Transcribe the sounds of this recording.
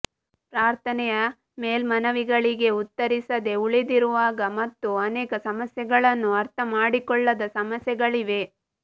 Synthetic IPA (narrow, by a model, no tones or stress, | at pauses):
pɾaːɾt̪ʰɐnɛjɐ | meːlmɐnɐʋiɡɐɭiɡe̞ut̪ːɐɾisɐd̪e̞uɭid̪iɾuʋaːɡɐmɐt̪ːuɐnɛːkɐsɐmɐsjɛɡɐɭɐnːuɐɾt̪ʰɐmaːɽikɔɭːɐd̪ɐsɐmɐsjɛɡɐɭiʋe̞